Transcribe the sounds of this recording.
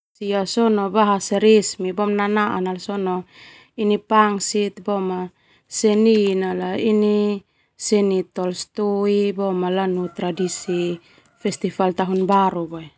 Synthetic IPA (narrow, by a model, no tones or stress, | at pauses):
siasɔnɔbaɦaseɾesmibɔmnanaʔanalsɔnɔ | inipaŋsit̪bɔma | seninalaini | senit̪ɔlst̪oibɔmalanut̪ɾadisi | fɛst̪ifalt̪aɦunbaɾubae